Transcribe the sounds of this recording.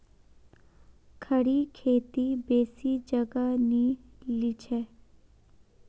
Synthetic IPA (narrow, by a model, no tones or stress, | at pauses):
kʰəɽikʰeːt̪ibeːsid͡ʒəɡanilit͡ʃʰe